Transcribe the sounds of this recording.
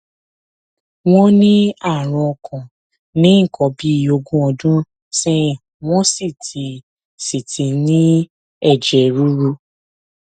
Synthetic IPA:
w̃ɔ̃˦nĩ˦a˦˨ɾ̃ɔ̃˧kʰɔ̃˨ | nĩ˦ŋ̩˦˨kʰɔ̃˨˦bi˦o˧ɡũ˦ɔ˧dũ˦ | sɛ̃˦ĩ˨ | w̃ɔ̃˦si˦˨tʰi˨˦ | si˨tʰĩ˧nĩ˦ | ɛ˦˨d͡ʒɛ˨ɾu˦ɾu˧˦

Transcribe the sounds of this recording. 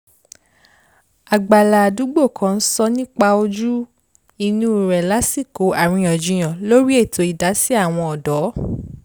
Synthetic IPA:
a˨ɡ͡ba˨la˨du˨˦ɡ͡bo˦˨kʰã˧n̩˦sɔ˧nĩ˦k͡pa˧o˧d͡ʒu˦ | i˧nũ˦˨ɾɛ˨la˨˦si˦˨ko˨˦a˨ɾ̃ĩ˧ɔ˨d͡ʒũ˧j̃ɔ̃˨lo˦ɾi˦e˦˨tʰo˧i˨da˨˦si˦a˦˨w̃ɔ̃˧ɔ˨dɔ˨˦

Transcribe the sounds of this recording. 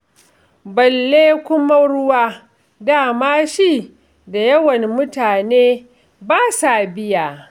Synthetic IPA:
bɐ˨lːeː˦kʷʊ˦ma˦ɽʊ˦waː˦ | daː˦˨maː˦ʃiː˦˨ | da˨jɐ˦wɐ˨nmʊ˦taː˨neː˦ | baː˦sa˨bɪ˦jaː˨

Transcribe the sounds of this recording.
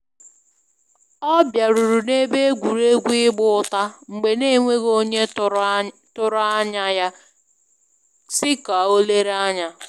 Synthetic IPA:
ɔ˦bja˨ɾu˨ɾu˨ne˦be˦e˦ɡʷu˨ɾe˦ɡʷi˦ɡ͡bʊ˦ta˦ŋ͡m̩˨ɡ͡be˨ne˦˨ŋʷe˦ɣo˦ɲe˦ | tʊ˦ɾa˦ɲa˦ja˦ | sɪ˦ka˨o˦le˦ɾa˦ɲa˦

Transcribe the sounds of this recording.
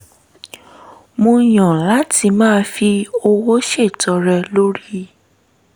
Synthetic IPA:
mõ˧˨j̃ã˨la˨˦ti˧mãː˦fi˧o˧wo˦ʃe˦˨tɔ˧ɾɛ˧lo˦ɾi˦

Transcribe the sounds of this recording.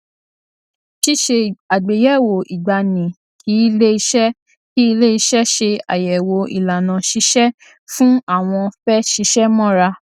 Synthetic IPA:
ti˦ʃe˧˨a˨ɡ͡be˨jɛ˦˨wo˨i˨ɡ͡ba˨nĩ˨ | kʰi˨˦i˧le˦i˧ʃɛ˦ | ki˦i˧le˦i˧ʃɛ˦ʃe˧a̰˨jɛ˨wo˨˦ḭ˨la˨nã˨ʃi˧˦ʃɛ˦ | fũ˦a˦˨w̃ɔ̃˧fɛ˦ʃi˧˦ʃɛ˦mɔ̃˦˨ɾa˧

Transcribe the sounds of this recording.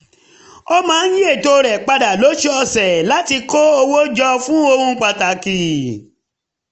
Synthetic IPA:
o˦mãː˨˦n̩˦ji˦e˦˨to˧˦˧ɾɛ˨k͡pa˧da˨lo˨˦ʃi˦ɔ˧sɛ˨la˦ti˧ko˦o˧wo˦d͡ʒɔ˧fũ˦o˧hũ˦k͡pa˧ta˨ki˨

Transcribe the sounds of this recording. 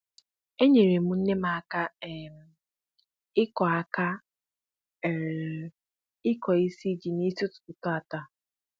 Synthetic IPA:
e˦ɲe˨ɾe˨mu˨˦n̩˦ne˦ma˨a˦˨ka˦e˨m˨ | ɪ˦kɔ˨a˦ka˦˨ | ɾ | ɪ˦kɔ˨i˦si˦d͡ʒi˨ni˦si˦tʊ̥˨tʊ˨tʊ˦a˨ta˨

